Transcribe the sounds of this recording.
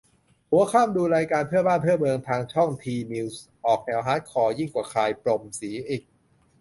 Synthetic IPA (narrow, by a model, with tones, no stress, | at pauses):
hu˨˩˦ɐkʰaː˥˩mduː˧ɾaː˧jkaː˧npʰɯ˥˩əbaː˥˩npʰɯ˥˩mɤ˧ŋt̪ʰaː˧ŋt͡ɕʰɔ˥˩ŋt̪ʰiː˧mi˧ws | ʔɔː˨˩k̚nɛː˧wɦaː˦˥t̪̚kʰɔː˧ji˥˩ŋkwaː˨˩kʰaː˧jpɾo˨˧˩msiː˩˦ʔiː˨˩k̚